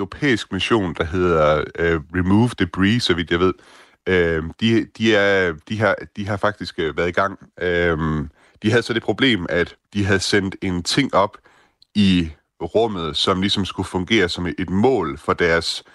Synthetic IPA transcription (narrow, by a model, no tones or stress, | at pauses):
ʁo̝pʰḛːisɡ̥̚miɕo̝̰ːnd̥ɑ̈ɦe̝ð̞̰ˠɐøʁimuːʋd̥ib̥ʁisɒ̽ʋid̥jɑɪʋe̝ð̞̰ˠ | ød̥id̥iæɐd̥iɦɑ̈d̥iɦɑ̈fɑ̈ɡ̥̚d̥isɡ̥ʋæɐðˠiɡ̥ɑ̈ŋ̰øm | d̥iɦæð̩ˠsɒ̽d̥e̝pʰʁo̝b̥le̝̰ːmæd̥d̥iɦæð̞̩ˠsen̰d̥e̝nt͡sʰe̝ŋ̰ɒ̽b̥ | i | ʁɔ̽m̰ð̞̩ˠsɒ̽mlisɒ̽msɡ̥ufɔ̽ŋɡ̥e̝̰ːɐsɒ̽me̝d̥mɔ̰̽ːlfɒ̽d̥æɐs